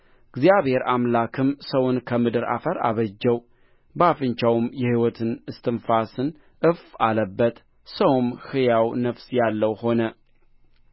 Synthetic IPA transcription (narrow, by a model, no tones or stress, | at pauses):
ɡzijaβhe̞ɾamlakʰɨmsəwʊnkʰəmɨd̪ɨɾa̰fəɾa̰βəd͡ʒːɛw | bəafɨɲt͡ʃawʊmjɛhiwɔt̪ʰɨnɨst̪ʰɨnfasɨn | ʔɨfaləbːət̪ʼ | səwumhɨjawnəfsjalːəwho̞nə